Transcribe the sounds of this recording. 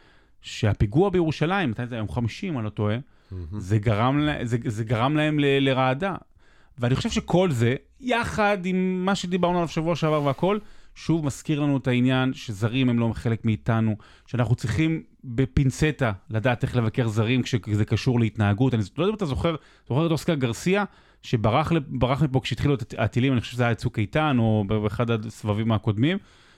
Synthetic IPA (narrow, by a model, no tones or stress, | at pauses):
ʃeapiɡuabejeʁuʃalaimːat̪ajnzeajomχamiʃimolo̞toe̞ | zeɡaʁamlezezeɡaʁamlae̞mleleʁaːda | veanixχo̞ʃevʃe̞kʰo̞lze̞ | jaχad̪imːaʃe̞d̪ibaʁnualav̥ʃavuaʃeavaʁveako̞lʃuvmaskiʁlanuetainjanʃezaʁimhemlo̞χe̞le̞kmiːtanu | ʃeanaχnut͡sʁiχim | be̞pinse̞taladaːt̪e̞χle̞vake̞ʁzaʁimkʃezekaʃuʁleitnaːɡutanizlod̪amat̪azo̞χeʁ | z̥oχeetoskaɡaʁsia | ʃe̞baʁaχlbaʁaχmip̬o̞kʃeit̪χiluetaatilimanixoʃeʃzejat͡sukajtano̞beχadasvavimako̞dmim